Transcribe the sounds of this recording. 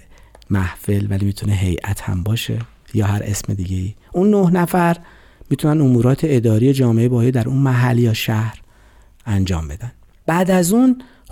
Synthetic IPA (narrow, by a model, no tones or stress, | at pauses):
mæhfe̞lvælimiːt̪ʰuneɦe̞jʔæt̪ʰhæ̰mbɒːʃe̞ | jɒːɦæɾḛsme̞̰d̪iːɟeiːʔunːohnæfæɾ | mit̪ʰunænomuːɾɒːt̪ʰe̞ed̪ɒːɾijed͡ʒɒːmeʔebɒːjed̪æɾuːnmæɦælːjɒːʃæhɾ | ænd͡ʒɒ̰ːmbe̞d̪æn | b̥æːd̪æzun